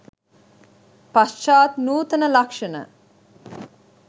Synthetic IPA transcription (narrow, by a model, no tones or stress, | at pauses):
pasʃaːt̪nuːt̪ənəlakʂənə̰